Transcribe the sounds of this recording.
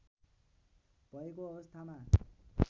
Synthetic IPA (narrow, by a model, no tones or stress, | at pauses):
bʌekoʌbʌst̪ʰama